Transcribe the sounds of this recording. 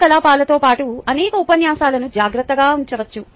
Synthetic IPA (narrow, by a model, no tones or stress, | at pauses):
kɐlaːpaːlɐt̪o̞ːpaːʈuɐnɛːkɐupɐnjaːsaːlɐnud͡ʒaːɡɾɐt̪ːɐɡaːuɲt͡ʃɐʋɐt͡ʃːu